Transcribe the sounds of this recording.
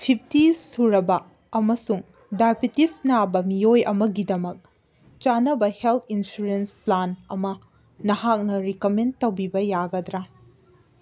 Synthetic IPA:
pʰip̚ʰtisuɾɐbɐː | mɐsuŋ | dajbitisnabɐmijojɐmɐɡidɐmɐk̚ | t͡ʃanɐbɐhelt̪ʰinsuɾensplanɐmɐ | nɐhak̚nɐɾikɐmentɐwbibɐjaɡɐdɾa

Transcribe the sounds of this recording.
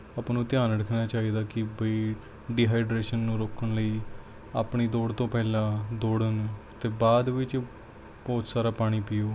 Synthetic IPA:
apnũːt̪ɪjaːnɽɪkʰnaːt͡ʃaːiːd̪aːkɪbəiː | ɖiːɦaːɪɖɾeːʃənːũːɾoːkʰəɳləiː | aːpɳiːd̪oːɽt̪õːpɛːlãːd̪oːɽənt̪eːbaːd̪ʋɪt͡ʃ | bɔːt̪saːɾaːpaːɽ̃iːpɪjoː

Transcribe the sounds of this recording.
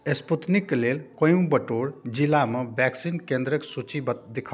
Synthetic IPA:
esput̪nikːlelkə̃jũbəʈoɾd͡ʒilamebɛksinkend̪ɾəksut͡ʃibd̪ekʰ

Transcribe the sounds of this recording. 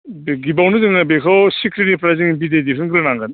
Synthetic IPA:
bɡibawnɯzɯŋnabekʰɔwsikʰɾinipʰɾajziŋbidedipʰɯnkʰɯɾɯnaŋɡɯn

